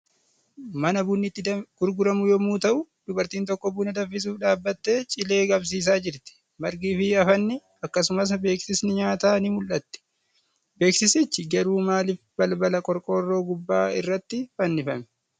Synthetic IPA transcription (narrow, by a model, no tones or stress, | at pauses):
mɐnɐbʊnːɪt̪ːɪɡ̥ʊɾɡʊɾɐmʊjoːmuːt̪ɐʔʊd̪̥ʊbɐɾt̪iːnt̪ɔkːɔbunɐd̪ɐfːɪs̬uːfᶑaːbːɐt̪ːe̞ːt͡ʃʼɪle̞ːɡɐbs̬iːs̬aːd͡ʒɪɾt̪ɛ̥ | mɐɾɡiːfɪɐfɐnːɪ | ɐkːɐsʊmɐs̬be̞ːksɪsnɪɲaːt̪aːnɪmʊlʔɐt̪ːɛ̥ | be̞ːksɪsɪt͡ʃːɪɡɐɾuːmaːlɪfbɐlbɐlɐkʼɔɾkʼo̞ːrːo̞ːɡʊbːaːɪrːɐt̪ːɪfɐnːɪfɐmɛ̥